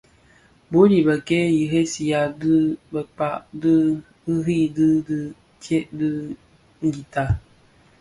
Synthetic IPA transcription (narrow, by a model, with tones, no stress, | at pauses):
bo˨˦li˨bə˨ke˦ji˨ɦe˦si˨ja˨dɨ˦bə˨k͡pa˨ʔdɨ˦ | ɨ˦ɦi˦˨dɨ˦dɨ˦ | tjɛ˦ʔdɨ˦ | ŋ̩˦˨ɡi˨ta˨